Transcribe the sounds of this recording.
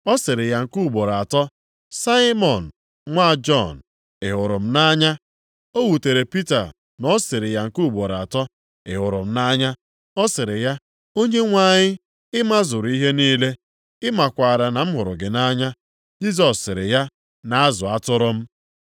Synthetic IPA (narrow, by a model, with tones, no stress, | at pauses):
ɔ˦sɪ˨ɾɪ˨ja˦ŋ̩˨ku˦˨ɡ͡bo˨ɾa˨tɔ˦ | sa˦ɪ˦mɔ˨n̩˨ | ŋʷa˦˨d͡ʒɔ˦˨n̩˨ | ɪ˨ɦʊ˨ɾʊ˨m̩˦na˦ɲa˦ | o˦wu˨te˨ɾe˨pi˦ta˨ | nɔ˦sɪ˨ɾɪ˨ja˨ŋ̩˨ku˦˨ɡ͡bo˨ɾa˨tɔ˦ | ɪ̰˨ɦʊ˨ɾʊ̰˨m̩˦na˦ɲa˦ | ɔ˦sɪ˨ɾɪ˨ja˦ | o˦ɲe˦ŋʷa˦˨ɲɪ˦ | ɪ˦ma˦zʊ˨ɾi˦ɦe˦niː˦le˦ | ɪ˦ma˨kʷa˨ɾa˨na˨m̩˦ɦʊ˨ɾʊ̰˨ɡɪ˨na˦ɲa˦ | d͡ʒi˦z̬ɔ˨sːɪ˨ɾɪ̰˨ja˦ | na˨a˦zʊ˨a˦tʊ˦ɾʊ˦m̩˦